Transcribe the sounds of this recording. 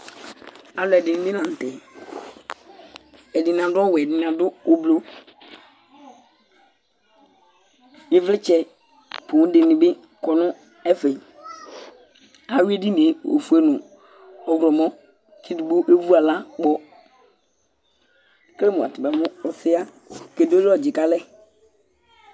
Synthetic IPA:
a˨lʊ˨ɛ˨dɪ˨nɪ̃˨bɪ˦lã˨n̩˨tɛ˨ | ɛ˨dɪ˨n˨ã˨dʊ˦ɔ˦wɛ˨dɪ˨n˨a˨dʊ˦o˨blo˦ | jɪ˦vlɪ˦t͡ʃɛ˨ | po˨˦dɪ˨nɪ̃˨bɪ˦ | kɔ˨nʊ˦ | ɛ˦fe˨i˨ | a˨we˦di˦ne˨o̰˨fu˦e˦nʊ̃˨ | ɔ˨wɾɔ˨mɔ̃˦ | kʰɪ˦dɪ˨bʊ˦ʔe˦vu˦a˨la˦ɡ͡bɔ˦ | kle˦mʊ̃˨a̰˨tɪ˨bɛ˨mʊ̃˦ɔ˨sɪ˦a˦ | ke˨do˦dɔ˦˨d͡ʒɪ˨ka˦lɛ˦

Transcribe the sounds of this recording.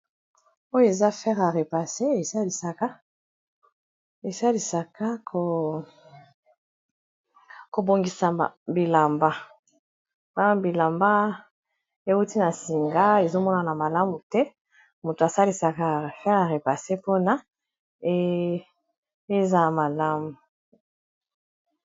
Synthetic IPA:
o˦jo˦e˨za˦fɛ˦ʁa˨ʁe˨pa˨se˦e˨sa˦li˨sa˨ka˦ | e˨sa˦li˨sa˨ka˦kʰo˨ | ko˨bo˨ŋɡi˨sa˨bi˨la˨mba˦ | a˦bi˨la˨mba˦ | e˦u˦ti˦na˨si˨ŋɡa˦e˨zo˦mɔ˦na˨na˨ma˨la˦mu˨tɛ˦ | mu˨to˨a˨sa˦li˨sa˨ka˦˨fɛ˦ʁa˨ʁe˨pa˨se˦po˦na˦ | e˦ | e˦za˦˨ma˨la˦mu˨

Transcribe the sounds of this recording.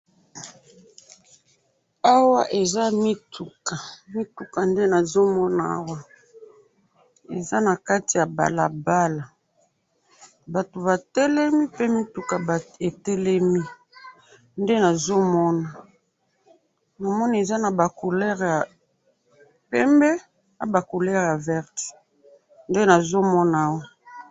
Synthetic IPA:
a˦wa˦ʔe˨za˦mi˦tu˨ka˨mi˦tu˨ka˨nde˦na˨zo˦mɔ˦na˨a̰˦wa˦ | ḛ˨za˦na˨ka˦ti˨ja˨ba̰˨la̰˨ba˦la˨ | ba˨to˨βa˨tɛ˦lɛ˦mi˦pe˦mi˦tu˨ka˨be˨tɛ˦lɛ˦mi˦ | nde˦na˨zo˦mɔ˦na˨ | na˨mɔ˦n˦e˨za˦na˨ba˨ko˨lɛ˦ʁja˨ | pɛ˦mbɛ˦ | a˦ba˨ko˨lɛ˦ʁja˨vɛ˦ʁti̥˨ | nde˦na˨zo˦mɔ˦na˨a˦wa˦

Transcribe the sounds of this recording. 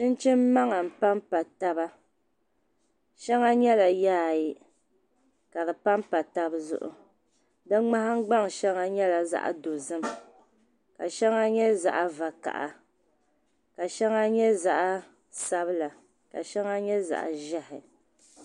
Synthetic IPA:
t͡ʃɨ˦n˦t͡ʃɪ˦mː˦a˦ŋa˨m̩˨pa˦m˦pa˨ta˦ba˦ | ʃɛ˦ŋa˦ɲɛ˦la˨jaː˦ji˨ | ka˨dɨ˨pa˦mpa˨ta˦bzʊ̰˦ʔʊ̰˨ | dɨ˦ŋ͡ma˦ɦa˦ŋ̩˦ɡ͡ba˦ŋʃɛ˦ŋa˦ɲɛ˦la˨za̰˦˨ʔa̰˨do˨zɨ˦m | ka˨ʃɛ˦ŋa˦ɲɛ˦za̰˨ʔa˨va˨ka̰˨ʔa̰˨ | ka˨ʃɛ˦ŋa˦ɲɛ˦za˨ʔa˦ | sa˦bɨ˦la˨ | ka̰˨ʃɛ˦ŋa˦ɲɛ˦za̰˨ʔa̰˨ʒɛ˦hɪ˨

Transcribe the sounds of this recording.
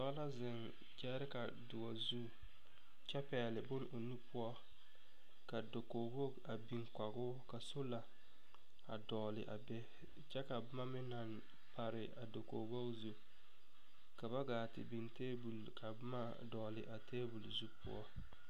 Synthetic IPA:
dɔ˦la˦zɪ˨n | d͡ʒɛ˦ɾɪ˦ka˨ | dʊ˨wɔ˨zu˦ | t͡ʃɛ˦pɛː˨lɪ˨bʊ˦no˨nu˦pʰʊ˦ɔ˦ | ka˨do˨koː˨bo˦ɡa˨bi˨ŋka˨ɡʊ˦ka˨so˦la˨ | a̰˨dɔː˨lɪ̰˨ʔa̰˨bɛ˦ | t͡ʃɛ˦ka˨bʊ˦ma˦mɪ˦na˨n | pa˨ɾɪ˨ʔa˨do˨ko̰˨bo˦ɡzu˦ | ka˨ba˦ɡaː˨tɪ̰˨bi˨nteː˦bu˨lka˨bʊ˦ma˦ | dɔ˨lɪ˨ʔa˨tʰeː˦bu˨lzu˦pʊ̰˦ɔ̰˦

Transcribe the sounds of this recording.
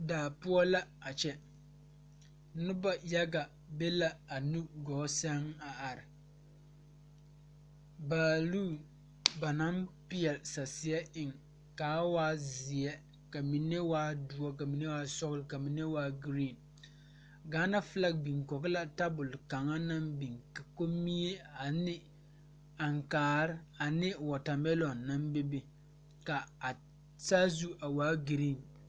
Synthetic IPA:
daː˨pʊ˦ɔ˦la˦a˨t͡ʃɛ˦ | nʊ˦ba˦ja˦ɡa˨ | be˦la˦a˨nu˦ɡɔː˨˦sa˦ŋa˨ʔa˨ɾɪ˨ | ba˨luː˦ | ba˨na˦mpi˦ɛ˨lsa˨si˨˦ɛ˦ʔɪ˦ŋ | kaː˨˦waː˦zi˨ɛ˦ | ka˨mi˨ne˦waː˦dʊ˨˦ɔ˦ka˨mi˨ne˦waː˨˦sɔ˦ɣlka˨mi˨ne˦waː˦ɡɾi˦˨n | ɡaː˨˦na˦fɨ˦la˦k̚bi˨ŋkɔ˨kla˦ta˦bʊ˨lka˨ŋa˦na˦mbi˨ŋka˨ko˦mi˦e˦a˨nɪ˦ | a˨ŋkaː˨ɾɪ˦a˨nɪ˦wɔ˨ta˨mɛ˦lɔ˨nːa˦mbe˦bɪ˦ | ka˨a˨ | sa˦zu˦a˨waː˨˦ɡi˨ɾi˦˨n

